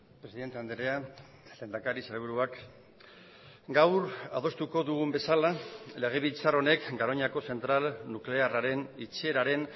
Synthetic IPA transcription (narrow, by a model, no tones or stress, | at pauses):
pɾe̞siðe̞nt̪e̞and̪eɾea | le̞ːnd̪akaɾiseleβ̞uɾuak | ɡawɾað̞o̞st̪uko̞ðuɣ̞umbe̞salale̞ɣ̞e̞βilt͡saro̞ne̞kɡaɾo̞ɲako̞se̞nt̪ɾalnukle̞araɾe̞nit͡se̞ɾaɾe̞n